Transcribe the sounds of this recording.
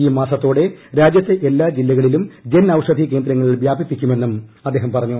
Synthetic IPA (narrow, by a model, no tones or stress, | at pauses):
iːmaːsɐt̪ːoːɽe̞ɾaːd͡ʑjɐt̪ːe̞ʔelːaːd͡ʑilːɐɣɐɭilumd͡ʑenɐwʂɐd̪ʱike̞ːnd̪ɾɐŋːɐɭiʋjaːbʱipːikʲːume̞nːumɐd̪ːeːɦɐmpɐrɐɲːu